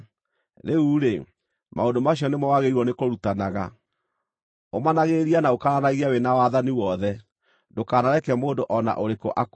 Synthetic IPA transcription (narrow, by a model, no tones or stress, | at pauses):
ɾeuɾe | maondomaɕiɔnemawaɣeɾiɾwɔnekoɾutanaɣa | omanaɣeɾianaokaɾanaɣiawenawaðaniwɔðɛ | dokaːnaɾɛkɛmoːndoʔɔna̰ʔoɾeko̰ʔak